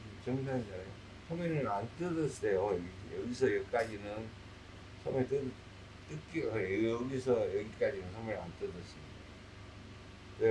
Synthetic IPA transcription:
t͡ɕʌŋsʰand͡ʑaej | sʰʌmeɾɯnant͈ɯdɯsejojʌɡis̬ʰʌjʌk͈ad͡ʑinɯn | sʰʌmet͈ɯ | t͈ɯk͈iʌɡisʰʌjʌɡik͈ad͡ʑinɯnsʰʌmeɾɯa̰nt͈ɯdʌs͈ɯi | e

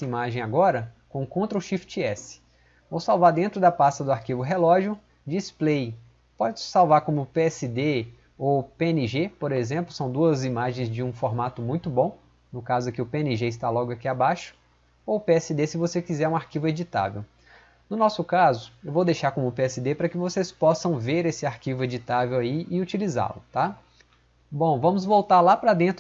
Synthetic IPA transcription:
simaʒẽj̃aɡɔɾɐkõkõnt̪ɾɐʊʃift͡ʃiɛsɪ̥ | vowsawvaɾd̪ẽnt̪ɾʊd̪ɐpasɐd̪ʊaɾkivʊɦelɔʒiʊ | d͡ʒisplej | pɔd͡ʒɪssawvaɾkõmʊpeɛsɪd̪e | owpeeniʒepoɾezẽmplʊsɐ̃w̃d̪uɐzimaʒẽj̃zd͡ʒɪũfoɾmat̪ʊmũj̃t̪ʊbõ | nʊkazʊɛ̃kɪʊpeeniʒeɪs̬t̪alɔɡʊakiabajʃʊ̥ | owpeɛsɪd̪esɪvosekizɛɾũaɾkivʊed͡ʒit̪a̰vḛw | nʊnɔsʊkazʊewvowd̪ejʃaɾkõmʊpeɛsɪd̪epɾɐkɪvosespɔsɐ̃w̃veɾesɪaɾkivʊed͡ʒit̪avewaiɪut͡ʃiliza̰lʊt̪a | bõw̃vɐ̃mʊzvowt̪aɾlapɾɐd̪ẽnt̪

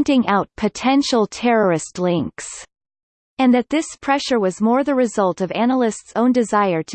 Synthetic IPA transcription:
ntɪ̃ŋaʊt̚pʰɨtʰɛ̃nʃl̩ˠtʰɛɹə˞ɨstˡlɪ̃ŋks | ɨ̃nðɨt̪̚ðɪspʰɹ̥ɛʃə˞wʌzmɔɹðɨɹɨzʌlˠtʌvænl̩ˠɪstsõʊ̃ndɨzaɪə˞ɾ

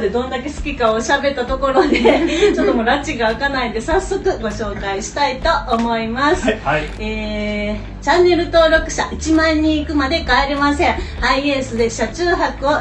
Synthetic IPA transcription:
d̪e̞d̪õ̞nd̪ak̬e̞sɨ̥kʲikao̞ɕabe̞t̪ːat̪o̞ko̞ɾod̪et͡ɕo̞t̪ːomoɾat͡ɕiɡaːkanaid̪e̞sasːo̞kɯ̟ɡo̞ɕo̞ːkaiɕi̥t̪ait̪o̞ʔːmo̞imasɨ̥eː | t͡ɕãnːe̞ɾɯ̟t̪o̞ːɾo̞kɯ̟̥ɕaʔit͡ɕimãɲ̟ːĩːkɯ̟mad̪e̞kaeɾʲimasẽ̞haieːsɨd̪e̞ɕat͡ɕɨːɦakɯ̟o̞

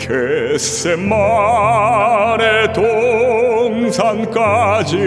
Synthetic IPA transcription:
kʰessema | ɾet̪o | ŋsʰankad͡ʑi

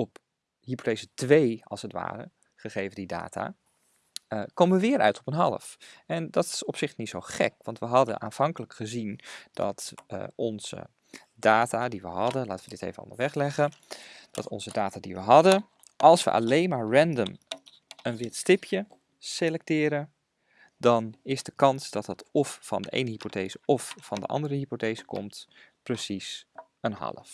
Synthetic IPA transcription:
ɔp | ɦipo̥tezətʋejɑlˠsətʋa̰ːrə̰ | χəχejvəndida̰ːtʰa̰ | əkowməʋəʋɪːɾœ̰ɥtɔpənɦɑlə̰fɛndɑtɪ̥sɔpsɪχnitsowχɛ̰kʋɑntʋəɦɑdə̰nʔa̰ːnv̥ɑŋkələkχəzind̥ɑ̰təɔnz̥ə̰ | daːtaːdiʋəɦɑdənlaːtəʋədɪtḛjvənɔ̰ndəɹʋɛχlɛχənd̥ɑ̰tɔ̰nzədaːtaːdiʋəɦɑdə | ʔɑlˠsʋə̰ʔa̰lejnmaːɹɹɛndəm | ənʋɪtstɪpʰjə | selɛk̚tɪːɾən | dɑnɪzdəkɑnzd̥ɑt̚ɦətɔfːɑ̰ndəʔḛjnəɦipotejzəɔfːɑndə̰ʔɑ̰ndərəɦipotejzə̥kɔ̰mtprəsis | ənɦɑ̰ləf

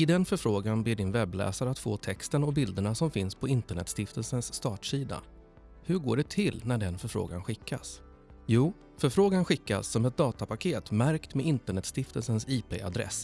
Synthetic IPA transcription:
ɪd̪ɛnfœɾfɾoːɡanblɪːɖɪnvɛblɛ̰ːsaɾəat̪fo̰ːt̪ʰɛkst̪ənɔbɪld̪əɳasɔmfɪnspʰɔɪnt̪əɳɛ̰t̪st̪ɪft̪əlsənsːt̪ɑːʈʂiːd̪a̰ | hɵɾɡoːɖɛt̪ʰɪlːnæɖɛnfœɾfɾo̰ːɡa̰nɧɪkʰːa̰s | juː | fœɾfɾoːɡanɧɪkːa̰sːɔmɛt̪̚d̪ɑːt̪apakʰeːt̪mæɾkt̪meɪnt̪əɳɛt̪st̪ɪft̪əlsənsiːpʰḛːʔa̰d̪ɾɛ̰s

